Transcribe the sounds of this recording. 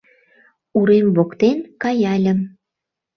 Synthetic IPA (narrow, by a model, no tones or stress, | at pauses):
uɾemβokt̪enkɑjɑlʲə̆m